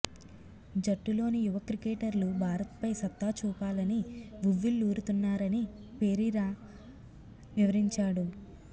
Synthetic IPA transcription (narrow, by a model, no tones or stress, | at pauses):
d͡ʒɐʈːulo̞ːnijuʋɐkɾikeːʈɐɾlubʱaːɾɐt̪pɐjsɐt̪ːaːt͡ʃuːpaːlɐniʋuʋːilːuːɾut̪unːaːɾɐni | pe̞ːɾiɾaː | ʋiʋɐɾiɲt͡ʃaːɽu